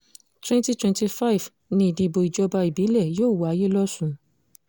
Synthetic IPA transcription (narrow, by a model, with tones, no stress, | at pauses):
twɛ̃˦nti˦twɛ̃˧nti˧fa˦i˨v | nĩ˧i˨dĩ˧i˨bo˧i˨d͡ʒɔ˧ba˧i˨bi˨˦lɛ˦˨joː˦˨wa˨˧˦je˦lɔ˦sũ˧